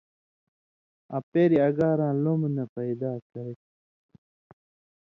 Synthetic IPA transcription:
a̰peːɾiɐɡaːɾãːlomnɐpɐid̪aːkɐɾe

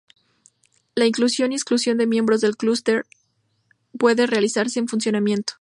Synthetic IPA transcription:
laiŋklusjo̞niesklusjo̞nd̪e̞mje̞mbɾozðe̞lklust̪eɾ | pwe̞ðere̞alisaɾse̞ːnfunsjo̞namjẽ̞nt̪o̥

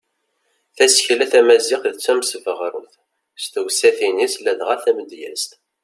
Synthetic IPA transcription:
θæsçlæθæmæziχðət͡sːæmsəvəʁɾˤṵθ | st̪əwsæθinislæðʁaθæməd̪jæ̰st̪

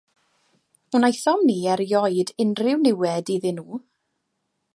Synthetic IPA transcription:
hunajθɔmniːɛɾjɔjdɪnrɪwnɪwɛdiðɪnuː

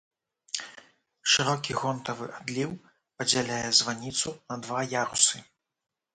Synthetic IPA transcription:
ʂɨɾɔkʲiɣɔnt̪ɐvɨʔad̪lʲiw | pɐd͡zʲalʲajɛzvanʲit̪sunɐd̪vajaɾusɨ

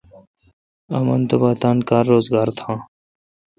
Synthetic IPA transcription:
ɐmɐ̰nt̪ɐbaːt̪aːnkaːɾːoːzɡaːɾt̪ʰãː

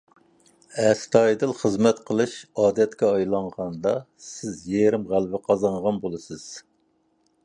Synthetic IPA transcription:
ɛst̪ʰɑjd̪ɨlˠχəzmɛt̪qʰəlˠɨʃɑːd̪ɛt̪kʲɛɑjlˠɑɴʁɑnd̪ɑ | sɪzjeɾɪmʁælvɪqʰɑzɑɴʁɑnbolˠɨsɨz̥

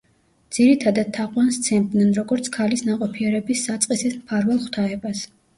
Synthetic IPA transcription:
d̪z̥iɾit̪ʰad̪ad̪̥̚t̪ʰːaqʼwanst̪sʰɛmd̪nɛnɾɔɡɔɾt̪sʰkʰalisnaqʼɔpʰiɛɾɛbisːat̪sʼqʼisit̪mpʰaɾvɛlˠχwt̪ʰaɛbas

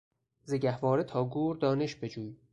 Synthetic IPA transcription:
zeɟæhvɒːɾet̪ʰɒːɡuːɾd̪ɒːne̞ʃbed͡ʒuːj

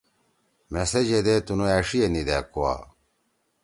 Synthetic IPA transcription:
mesed͡ʑed̪et̪unuɛːʂijenid̪æːkoa̰ː

